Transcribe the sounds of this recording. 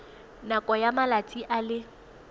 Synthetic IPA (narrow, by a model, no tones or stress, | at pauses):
nakʼɔjamalat͡sʼiʔalɪ